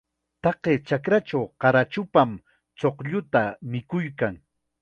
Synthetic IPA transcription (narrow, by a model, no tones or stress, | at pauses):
t̪ɑqeːt͡ʃakɾat͡ʃawqɑɾat͡ʃʊpam | t͡soqʎʊt̪amɪkʊjkaŋ